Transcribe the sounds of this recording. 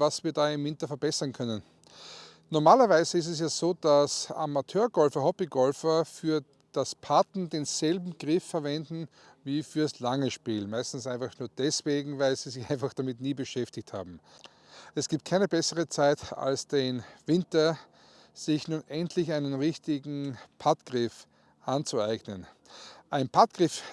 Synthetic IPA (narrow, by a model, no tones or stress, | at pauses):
vasv̥iːɐdaːɪmvɪntɐfɛɐbɛsɐnkʰœnən | nɔɐmaːlɐvæɪzəɪstɛs̬jaːzoːd̥asa̰matʰøːɐɡɔlfɐhɔbiɡɔlfɐfyːɐ | d̥aspʰatn̩deːnz̥ɛlbm̩ɡ̥ʁɪfːɛɐvɛndn̩ | viːfyːɐdaslaŋəʃpiːlmæɪstn̩sʔæɪnfaχnuːɐd̥ɛsv̥eːɡŋ̩væɪlz̥iːzɪçãɪ̃nfaχd̥amɪtniːbəʃɛftɪçtha̰ːbm̩ | ɛsɡ̥iːp̚t̚kʰaɪnəbɛsəʁət͡saɪta̰lsd̥envɪntɐ | z̥ɪçnuːnʔɛntʰlɪçaɪnənʁɪçtɪɡŋ̩pʰatɡ̥ʁɪf | ʔant͡suaɪɡnənʔaɪnpʰatɡ̥ʁɪf